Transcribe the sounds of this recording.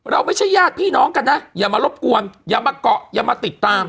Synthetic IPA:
ɾa˧wma˥˩jt͡ɕʰa˥˩jaː˥˩t̪̚pʰiː˥˩nɔː˦˥ŋka˧nːa˦˥jaː˨˩maː˧lo˦˥p̚ku˧ənjaː˨˩maː˧kɔ˨˩ʔjaː˨˩maː˧t̪i˨˩t̪ːaː˧m

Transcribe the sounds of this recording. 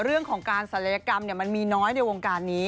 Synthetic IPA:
ɾɯ˥˩əŋkʰɔː˩˦ŋkaː˧nsa˨˩˦na˧jaː˧ka˧mni˥˩ma˧nmiː˧nɔː˦˥jnaː˧jwoː˧ŋkaː˧nːiː˦˥

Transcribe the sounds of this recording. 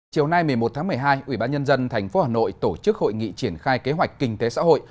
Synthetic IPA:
t͡ɕi˨˩əwna˧jmɨ˨˩əjmo˨˩t̚t̪ʰaː˨˦mɨ˨˩əjɦaː˧jʔwi˧˩ɓaː˧nɲə˧nzə˧nt̪ʰɛ˨˩jŋ̟fo˨˦haː˨˩no̰˧˨jt̪o˧˩t͡ɕɨ˦˥k̚ho̰˧˨jŋḭ˧˨t͡ɕi˧˩ənxaː˧jke˨˦ɦwa˨˩jk̟̚kï˧ŋ̟t̪e˨˦sa̰ː˧˥ɦo̰˧˨j

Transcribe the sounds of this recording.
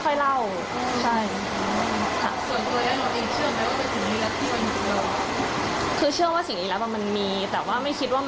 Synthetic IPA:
xʰɔ˥˩jla˥˩w | t͡ɕʰa˥˩j | kʰa̰˦˥˩su˨˩ənt̪u˧əlɛː˦˥la˧˩ʔi˧˩t͡ɕʰɯ˥˩əma˧˥waː˥˩pe˧nsi˨˩ŋniː˦˥lɛ˦˥pt̪ʰiː˥˩ma˧ni˧˩t̪ɤ˧˩a˨˩ | kʰɯː˧t͡ɕʰɯ˥˩əwaː˥˩si˨˩˦ŋniː˦lɛː˦˥wa˧˩ma˧nmiː˧t̪ɛː˨˩waː˥˩ma˥˩jkʰi˦˥t̪̚waː˥˩m

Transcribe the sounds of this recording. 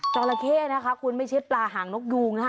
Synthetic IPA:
t͡ɕɔː˧la˧kʰeː˥˩na˦˥kʰa˦˥kʰu˧nma˥˩jt͡ɕʰɯ˦˥t̚plaː˧ɦaː˩˦ŋno˦˥k̚juː˧ŋna˦˥

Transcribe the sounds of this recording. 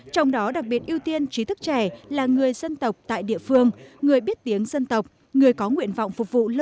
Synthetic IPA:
t͡ɕɔ˧wŋ͡mɗɔ˨˦ɗa˨˩k̚ɓi˨˩ət̚ʔi˧wt̪i˧ənt͡ɕi˨˦t̪ʰɨ˦˥k̚t͡ɕɛ˧˩laː˨˩ŋɨ˨˩əjzə˧nt̪ə˨˩wk͡p̚t̪a̰ː˧˨jɗḭ˧˨əfɨ˧əŋŋɨ˨˩əjɓi˦˥t̚t̪i˨˦əŋzə˧nt̪ə˨˩wk͡p̚ | ŋɨ˨˩əjkɔ˨˦ŋwḭ˧˨ənva̰˧˨wŋ͡mfʊ˨˩k͡p̚k̚vṵ˧˨l

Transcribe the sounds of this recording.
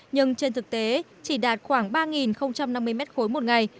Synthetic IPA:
ɲɨ˧ŋt͡ɕe˧nt̪ʰɨ˨˩k̚t̪e˨˦ | t͡ɕi˧˩ɗaː˨˩t̚xwaː˧˩ŋɓaː˧ŋi˨˩nxə˧wŋ͡mt͡ɕa˧mna˧mːɨ˧əjmɛ˦˥t̚xo˨˦jmo˨˩t̚ŋa˨˩j

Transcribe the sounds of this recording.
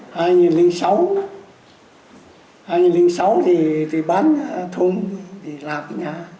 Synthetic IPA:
haː˧jŋɨ˨˩nlï˨˧˦ŋsa˨˦w | haː˧jŋɨ˨˩nli˨˦ŋsa˨˦wt̪ʰi˨˩t̪ʰi˨˩ɓaː˨˦˥nt̪ʰu˧mt̪ʰi˨˩laː˨˩mə˧˦ɲaː˨˩

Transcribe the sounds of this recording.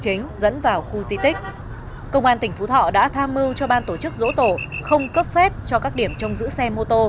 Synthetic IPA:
t͡ɕï˨˦ŋ̟zə̰˧˥nvaː˨˩wxu˧zi˧t̪ï˦˥k̟̚ | kə˧wŋ͡mʔaː˧nt̪ï˨˩ŋ̟fu˨˦t̪ʰɔ̰˧˨ɗa̰ː˧˥t̪ʰaː˧mːɨ˧wt͡ɕɔ˧ɓaː˧nt̪o˧˩t͡ɕɨ˦˥k̚zo̰˧˥t̪o˧˩xə˧wŋ͡mkə˦˥p̚fɛ˦˥p̚t͡ɕɔ˧kaː˦˥k̚ɗi˧˩əmt͡ɕɔ˧wŋ͡mzɨ̰˧˥sɛ˧mo˧t̪o˧

